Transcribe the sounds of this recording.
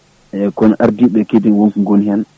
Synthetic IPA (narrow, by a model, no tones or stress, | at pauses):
ɛkɔnaɾdiɓɛkedinwoŋkuŋɡonhɛn